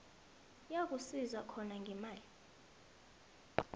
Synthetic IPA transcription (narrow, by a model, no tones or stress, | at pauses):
jak̬usizwakʰɔnaŋɡʱɛmaːli